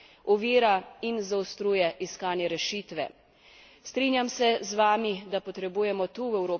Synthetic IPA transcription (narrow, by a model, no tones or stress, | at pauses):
ɔʋiːɾainzaust̪ɾuːjɛʔiskaːnjɛɾɛʃiːt̪ʋɛ̰ | st̪ɾinjamsɛzʋaːmid̪apɔt̪ɾɛbuːjɛmɔt̪uːwɛwɾoː